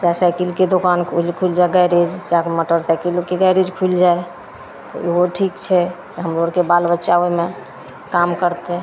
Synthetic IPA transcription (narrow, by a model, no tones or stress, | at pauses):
d͡ʒasajkilked̪okankʰlkʰuild͡ʒaeɡajɾed͡ʒd͡ʒakməʈəɾt̪akilkeɡajɾed͡ʒkʰuld͡ʒae | t̪ɔ̰eɦoʈʰikt͡ʃʰɛkeɦəmɾoɾkebalbətːʃaʋeme | kamkəɾt̪e